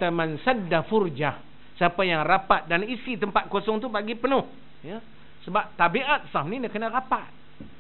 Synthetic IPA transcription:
t̪amansədːafurd͡ʒah | səapajaŋrapat̪̚danisit̪əmpat̪̚kosɔŋt̪ubaɡipənʊh | ja | səbap̚t̪abiʔat̪̚samnindəkənaɾapat̪̚

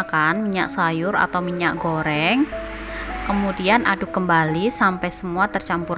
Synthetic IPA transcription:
kanmiɲaʔsajʊɾa̰t̪awmiɲaʔɡoɾɛŋ | kəmudianʔad̥ukəmbalisampɛjsəmuat̪ərt͡ʃampuɾ

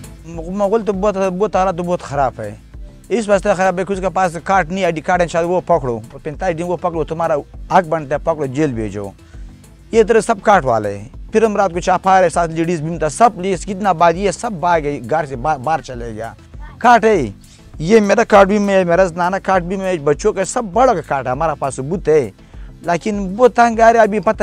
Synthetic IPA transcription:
umɐɣult̪̬oboːt̪boːt̪ːaɾaːt̪̬uboːt̪xɐɾaːpʰḛj | is̬bɐst̪ɐxɐɾaːpekuskapaːskaːʈniaːɖikaːʈent͡ʃʰaːt̪woːpɐkɽo̰ːopent̪aːiɖinwopɐkɽot̪umaːɾaɐk̚bɐɳɖt̪epɐkɽod͡ʒeːlbʱḛːd͡ʒo̰ː | jeːt̪ɐɾɐsɐb̚kaːʈwa̰ːlḛpʰiɾɐmɾaːt̪̚kot͡ʃʰaːpʰaːɾesaːt̪liɖis̬bimt̪asɐbliːskit̪naːbaːd̪jesɐbbaːɡeɡaːɾsebaːbaːɾt͡ʃɐleːɡja̰ː | kaːʈe | jemeːɾakaːʈ̚bimeemeːɾaznaːnakaːʈ̚bimeebɐt͡ʃoːkesɐbːɐɽokakaːʈeɐmaːɾapaːsobut̪e | laːkinwot̪ɐŋɡaːɾeɐbipɐt̪a

